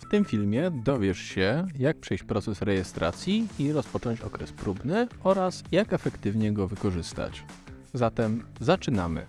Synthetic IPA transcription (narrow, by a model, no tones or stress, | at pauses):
ft̪ɘmfʲilmʲjɛd̪ɔvʲjɛʂɕɛjak̚pʂɛjt͡ɕpɾɔt̪sɛsɾɛjɛst̪ɾa̰t̪sʲjiiɾɔspɔt͡ʂɔ̃ɲt͡ɕɔ̰kɾɛspɾubnɘɔɾasjakɛfɛkt̪ɘvɲɛɡɔvɘkɔʐɘst̪a̰t͡ɕ | zat̪ɛmzat͡ʂɘnamɘ̰